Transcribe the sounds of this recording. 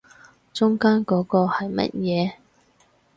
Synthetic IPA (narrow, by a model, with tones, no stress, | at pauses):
t͡sʊ˥ŋkaː˥nkɔː˨˥kɔː˧hɐ˨jmɐ̰˦˥t̚jɛː˨˧